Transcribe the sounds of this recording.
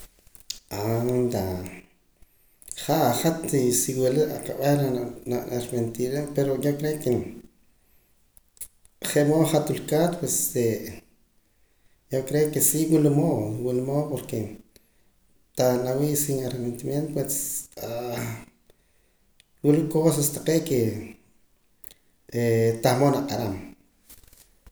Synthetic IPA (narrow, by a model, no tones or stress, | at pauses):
and̪a | χaʔχat̪isiɡeleakaɓehɾanaʔaɾpent̪iɾepeɾojokɾeke | χeʔmoχat̪ulkat̪pwese | jokeɾekesiwulumowulmopoɾke | t̪anawiʔsiŋaɾepent̪imjent̪opwesa | wulukos̬ast̪ḁqeːʔke | et̪aχmonaqʼaɾam